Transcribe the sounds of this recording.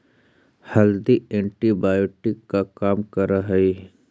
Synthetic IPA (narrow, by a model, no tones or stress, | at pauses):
hɐld̪iẽːɳʈibaːjoːʈɪkːakaːmkɐɾaɦɐi